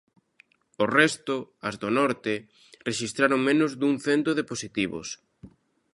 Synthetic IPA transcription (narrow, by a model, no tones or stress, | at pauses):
ʊrɛst̪ʊɐzðonɔɾt̪ɪ | reʃist̪ɾaɾoŋmẽnʊzðuŋθɛnt̪oðeposit̪iβʊ̰s